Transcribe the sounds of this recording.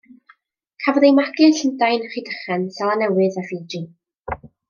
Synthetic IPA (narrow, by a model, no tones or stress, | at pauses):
kʰavɔðejmaɡɨɬəndajnχidəχɛnsɛlˠanɛwɨðavidri